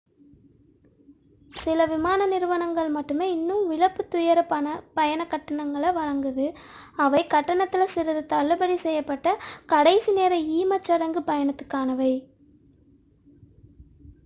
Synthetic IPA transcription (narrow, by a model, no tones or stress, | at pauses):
sɪlɐʋɪmaːnɐnɪɾɯʋɐnɐŋɡɐɭmɐʈːɯmeːɪnːɯmʋɪɻɐpːɯt̪ːʊjɐɾɐpɐpɐjɐnɐkːɐʈːɐɳɐŋɡɐɭɐʋɐɻɐŋɡɯðɯ | ɐʋɐɪkɐʈːɐɳɐt̪ːɪlɐsɪɾɐðɯt̪ɐɭːɯbɐɽisɛjːɐpːɐʈːɐkɐɽɐɪsineːɾɐiːmɐt͡ʃːɐɽɐŋɡɯpɐjɐnɐt̪ːɯ̥kːaːnɐʋɐɪ